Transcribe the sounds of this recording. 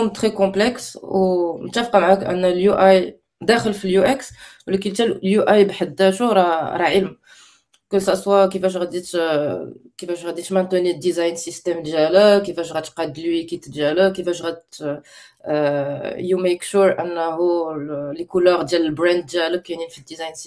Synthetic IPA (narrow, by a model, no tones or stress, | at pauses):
umt̪χekɔ̃plɛkswmt̪ːæfqɑmʕækʔə̰nːæljuʔaj | d̪æxəlfiljuʔɛkswlækəlt̪ælljuʔajbħəd̪ːæʃuɾˤɑɾˤɑʕəlm | kəlsæswakifæʃ̬ʁæd̪it̪ | kifæʃʁæd̪it̪mænt̪ənid̪izɑjnsist̪ɛmd̪jæləkifæʃʁæt̪qɑd̪lwikit̪əd̪ʒæləkifæʃʁæd̪t̪ | jumekʃuɾʔənːæɦulikuləʁd̪jæləlbɾænd̪̚d̪jæləkːæninfid̪ːizɑjnsi